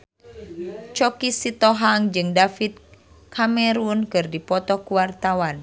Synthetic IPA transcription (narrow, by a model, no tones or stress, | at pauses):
t͡ʃɔkisit̪ɔɦaŋd͡ʒɨŋdafit̪̚ | kʰamɛɾunkɨrdipɔt̪ɔkuwart̪awan